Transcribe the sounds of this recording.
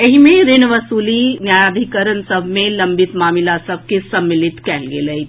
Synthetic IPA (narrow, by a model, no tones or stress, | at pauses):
ɐɦimẽɾɪnʋəsuːlinjaːjad̪ʱikəɾənsəbʱmẽlɐmbɪt̪maːmɪlasəb̚ʱkesɐmːɪlɪt̪kɛːlɡḛlɐi